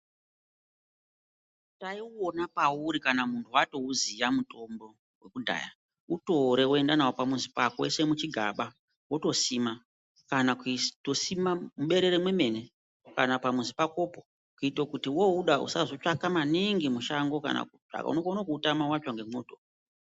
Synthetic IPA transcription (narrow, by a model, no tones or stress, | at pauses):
taiwonapauɾikanamuntʰuwato̞uzijamuto̞mbo̞ | we̞kudʱa̰ja̰ | uto̞ɾe̞we̞ndanawopamunzipakḛse̞mut͡ʃiɡʱa̰ɓa | wo̞to̞sima | kanaktosimamuɓe̞ɾe̞ɾemwe̞me̞ne̞ | kanapamuzipako̞po | kuitokutiwouɗaṵsazo̞t͡ʂakamaniŋɡimuʃaŋɡo̞ka̰na̰kua̰ka̰ṵnokonokuːtamawat͡ʃaŋɡe̞moːto